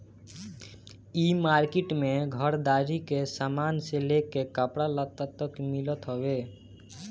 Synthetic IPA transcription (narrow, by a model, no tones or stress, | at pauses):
imaːɾkɪʈmẽɡʱəɾd̪aːɾikesamaːnselekekəpɽalət̪ːat̪əkmɪlət̪ɦowe